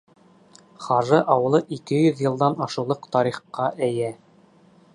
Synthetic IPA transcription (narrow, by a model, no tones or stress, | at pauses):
χɑʒɤʔɑwɤ̆lˠɤʔikɘjɵðjɤ̆lˠd̪ɑnɑʃɤ̆wlˠɤqt̪ɑɾiχqːɑʔæjæ